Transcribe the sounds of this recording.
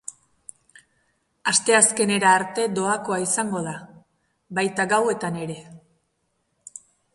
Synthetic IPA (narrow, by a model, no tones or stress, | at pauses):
ast̪e̞aske̞ne̞ɾaːɾt̪e̞d̪o̞ako̞aisaŋɡo̞ð̞a | βajt̪aɡawe̞t̪ane̞ɾe̞